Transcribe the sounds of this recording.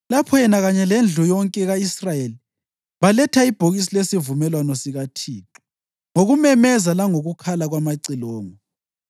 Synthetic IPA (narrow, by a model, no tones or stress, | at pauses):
lapʰɔjɛnaɣaɲɛlend͡ɮʱɔjɔŋkʼɛɣaisrajeli | βalɛtʰaib̥ʱoɣis̬ilesivumɛlwanɔsiɣatʰiːǁu̥ | ŋoɣumɛmɛzalaŋoɣukʰalaɣwamaǀilɔːŋɔ